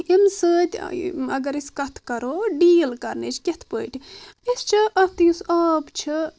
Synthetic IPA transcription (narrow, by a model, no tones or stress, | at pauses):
imsɨːt̪ʲɐ̰ɡɐɾiskɐt̪ʰkɐɾoːɖiːlkɐɾnet͡ʃʰket̪ʰpəːʈʲʰipist͡ʃʰɨʔɐpt̪jusɐːbt͡ʃʰi